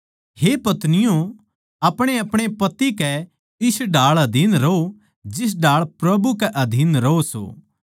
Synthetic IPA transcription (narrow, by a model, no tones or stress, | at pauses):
hepɐt̪nɪjõ | ɐpɽ̃eɐpɽ̃epɐt̪ːikɛ | ɪsɖaːɭɐd̪ʱiːnɾɐo | d͡ʒɪs̬ɖaːɭpɾɐbukɛʔɐd̪ʱiːnɾɐoso̰ː